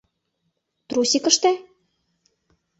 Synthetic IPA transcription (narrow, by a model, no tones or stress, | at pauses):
t̪ɾusʲikə̆ʃt̪æ